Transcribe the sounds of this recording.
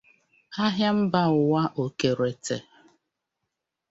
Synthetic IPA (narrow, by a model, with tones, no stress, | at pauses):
a˦ɦja˦m̩˦ba˦ʊ˨wa˦ʔo˨ke˨ɾe˨tʰe˨